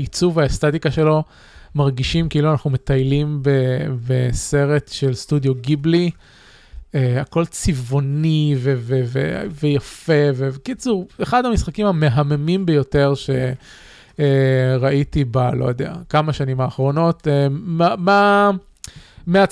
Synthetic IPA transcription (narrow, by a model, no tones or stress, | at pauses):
it͡suvaest̪at̪ikaʃe̞lo̞ | maʁɡiʃimkiːluanaχnume̞t̪ajlimbebese̞ʁe̞t̪ʃe̞lst̪udjo̞ɡibli | eako̞lt͡sivo̞nivevevḛvejafe̞vevkit͡suʁeχad̪amisχakimame̞ɦamemimbejo̞te̞ʁʃe̞ | eʁaʔit̪ibalʔo̞̰jod̪ea̰kamaʃanimaːχʁo̞no̞t̪emama | mea